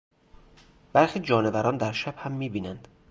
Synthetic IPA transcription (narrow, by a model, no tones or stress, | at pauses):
b̥æɾxiːd͡ʒɒːnevæɾɒːnd̪æɾʃæb̥hæmːiːbiːnænd̪̥